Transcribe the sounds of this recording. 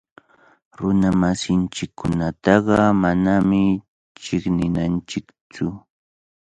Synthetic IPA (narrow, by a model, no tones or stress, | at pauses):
ɾʊnamasɪnt͡ʃɪkʰːʊnat̪ɑɢɑmanamɪ | t͡ʃɪknɪnant͡ʃɪkt͡sʊ